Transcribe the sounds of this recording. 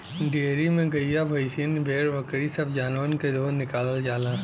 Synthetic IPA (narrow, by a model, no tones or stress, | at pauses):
ɖiɾimẽɡɐijabʱɐɪsənbʱeːɽʋɐkɽisɐbd͡ʒaːnoːnked̪oːnːɪkaːləld͡ʒaːlãː